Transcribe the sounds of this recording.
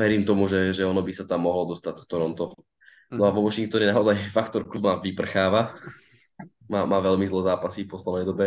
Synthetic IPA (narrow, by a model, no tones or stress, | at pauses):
ʋɛɾiːmt̪ɔmuʒɛʒɛɔnɔbisat̪amːɔɦlɔd̪ɔst̪ac̚t̪ɔ̥t̪ɔɾɔnt̪ɔ | nɔaʋɔʋɔʃiŋk̚t̪ɔɲɛnaɔzajfakt̪ɔɾkuzmaʋipr̩xaːʋa | maːmaːʋɛlmizlɛːzaːpasifpɔslɛd̪nɛjd̪ɔbɛ